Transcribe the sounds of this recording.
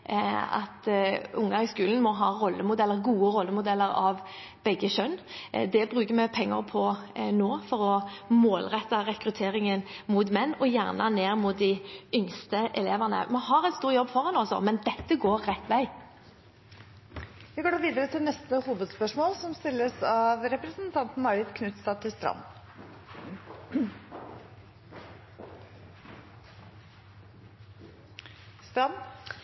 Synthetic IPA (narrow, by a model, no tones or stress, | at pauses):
ɑ̰t̪ʊŋːɑɪskʉːln̩mɔɦɑːʁɔlːəmʊd̪ɛlːəɾɡuːəɾɔlːəmʊd̪ɛlːəɾɑ̰ʋ | b̥ɛɡːəʃœnːd̪ɛbʁʉːkəmɛpʰɛŋːə̰pʰɔnoːfɔɾɔmoːlʁɛt̪ːɑʁɛkɾʉt̪ʰeːɾɪŋənmʊt̪mɛnːɔjæʁnəneːʁmʊt̪̚d̪ɪʏŋst̪əʔɛleːʋəʁnə̰mɔɦɑɾɛt̪st̪uːɾjɔbːfɔʁɑnɔlsɔ̰mɛnd̪ɛt̪ːəɡoːɾːɛt̪ːʋæɪ | ʋɪɡoːɖ̪ɑːɾʋiːd̪əɾət̪ʰɪlnɛst̪əhuːʋəd̪spœʂmoːlsɔmst̪ɪlːəsɑʋɾɛpɾəsnt̪ʰɑnt̪n̩ɑɾɪt̪kʰnʉt̪st̪ɑt̪ʰːɪlst̪ɾɑ̰m | st̪ɾɑm